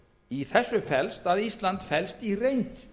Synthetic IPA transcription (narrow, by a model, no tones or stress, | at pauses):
iθɛsːʏfɛlst̪aðist̪lant̪fɛlst̪irejnt̪